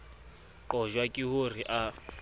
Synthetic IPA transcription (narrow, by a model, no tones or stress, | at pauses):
ǃɔʒwakʼihur̤iʔa